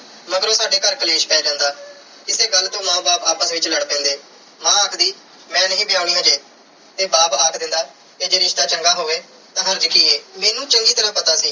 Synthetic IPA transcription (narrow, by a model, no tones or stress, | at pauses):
məɡəɾoːsaːɖeːkəɾkəleːʃpɛːd͡ʒãːnd̪aː | ɪseːɡəlːt̪õːmãːbaːpaːpəsʋɪt͡ʃləɽpɛ̃ːnd̪eː | mãːaːkʰd̪iː | mɛ̃ːnəɦĩːbʱɪjaːʊɽĩːãːd͡ʒeː | t̪eːbaːpaːkʰd̪ɪ̃nd̪aː | k̪eːd͡ʒeːɾɪʃt̪aːt͡ʃəŋɡaːɦoːʋeː | t̪ãːɦənd͡ʒəkiːeːmeːnũːt͡ʃəŋɡiːt̪əɾãpət̪aːsiː